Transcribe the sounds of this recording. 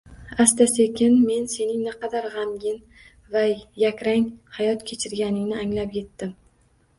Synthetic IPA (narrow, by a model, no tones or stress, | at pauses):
ast̪asekʲɪnme̞nse̞nɪŋnɪqɑd̪aɾʁɑmɡʲɪn | vajakʲɾaŋʲhajɒt̪kʲʰe̞t͡ʃʰɪɾɡʲanɪŋnɪaŋlapje̞t̪ːɪm